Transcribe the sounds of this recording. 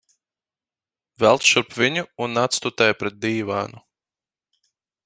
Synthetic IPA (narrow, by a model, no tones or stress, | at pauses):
vælˠt̪ʃuɾpvʲiɲuːnːat̪st̪ut̪ɛjpɾɛt̪̚d̪iːva̰ːnu